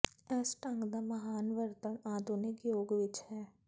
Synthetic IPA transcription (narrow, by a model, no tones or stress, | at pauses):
ɛsʈãŋɡd̪amɐɦaːnʋəɾt̪ənaːd̪unekjoːɡʋɪt͡ʃɦɛː